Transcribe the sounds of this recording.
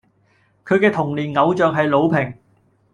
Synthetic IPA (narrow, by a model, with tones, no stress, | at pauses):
kʰɵ˨˧ɥkɛː˧t̪ʰʊ˨˩ŋliː˨˩nŋɐ˨˧wt͡sœː˨ŋɦɐ˨jlo˨˧wpʰɪ˨˩ŋ